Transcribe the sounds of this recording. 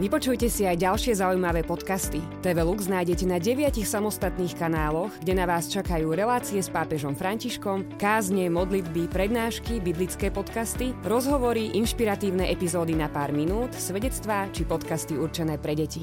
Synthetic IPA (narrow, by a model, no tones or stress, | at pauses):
ʋipɔt͡ʃujcɛsiajɟalʃɪɛzaujmaʋɛːpɔt̪kast̪i | t̪ɛʋɛluɡznaːjɟɛcɛnaɟɛʋɪacixsamɔst̪at̪niːxkanaːlɔɣɡɟɛnaʋaːst͡ʃakajuːɾɛlaːt͡siɛspaːpɛʒɔmfɾaɲciʃkɔmkaːzɲɛmɔd̪lid̪bipɾɛd̪naːʃkibiblit͡skɛːpɔt̪kast̪iɾɔzɦɔʋɔɾiʔinʃpiɾat̪iːʊnɛʔɛpizɔːd̪inapaːɾminuːt̪sʋɛɟɛt͡st̪ʋaːt͡ʃipɔt̪kast̪iuɾt͡ʃɛnɛːpɾɛɟɛci